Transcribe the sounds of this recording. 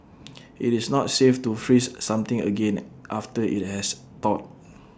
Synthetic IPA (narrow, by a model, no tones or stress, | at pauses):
ʔitisnɔt̚seftufɹisːãmt̪ɪ̃ŋə̰ɡẽnʔaftəḭt̚hɛs | t̪ɔt̚